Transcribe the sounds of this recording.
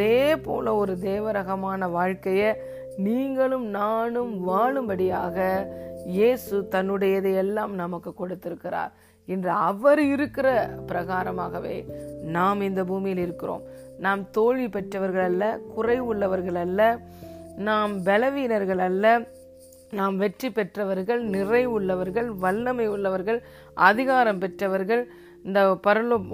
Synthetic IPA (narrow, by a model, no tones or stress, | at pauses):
ɐðeːpo̰ːlɐɔɾɯd̪eːʋɐɾɐɣɐmaːnɐʋaːɻkɐjɐ | niːŋɡɐɭɯmnaːnɯmʋaːɭɯmbɐɽɪjaːɣɐjeːsɯt̪ɐnːɯɽɐjɐðɐjɛlːaːmnɐmɐkːɯkːɔɽɯt̪ːɪɾɯkːɪɾa̰ːɾ | ɪndrɯɐʋɐɾɪɾɯkːɪrɐpɪɾɐɣaːɾɐmaːɣɐʋḛːnaːmɪnd̪ɐbuːmɪjɪlɪɾɯkːɪro̰ːm | naːmt̪oːɻipɛʈrɐʋɐɾɣɐɭɐlːɐkʊrɐɪʊɭːɐʋɐɾɣɐɭɐlːɐ | naːmbɛlɐʋiːnɐɾɣɐɭɐlːɐ | naːmʋɛʈripɛʈrɐʋɐɾɣɐɭnɪrɐɪʊɭːɐʋɐɾɣɐɭʋɐlːɐmɐɪʊɭːɐʋɐɾɣɐɭ | ʔɐðɪɣaːɾɐmpɛʈrɐʋɐɾɣɐɭ | ɪnd̪ɐpɐɾɯɭɯ